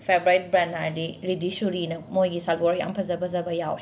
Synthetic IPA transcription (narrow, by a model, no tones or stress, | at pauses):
pʰebɾajt̚bɾanaɾdiɾidisuɾinɐmojɡisaɡoɾja̰mpʰɐzɐbɐzɐbɐjaw